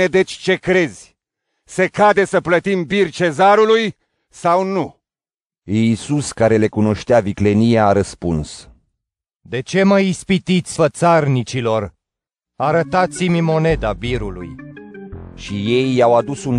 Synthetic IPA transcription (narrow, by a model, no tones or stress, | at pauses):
ed̪e̞t͡ʃʲt͡ʃe̞kɾe̞zʲ | se̞kad̪e̞səplət̪imbirt͡ʃe̞zaɾuluj | sawnu | isuskaɾe̞le̞kuno̞ʃt̪eavikle̞nijaːɾəspuns | d̪e̞t͡ʃe̞məjispit̪it̪sʲfət̪sarnit͡ʃilo̞r | aɾət̪at̪simʲmo̞ne̞d̪abiɾulṵj | ʃije̞jːawad̪usun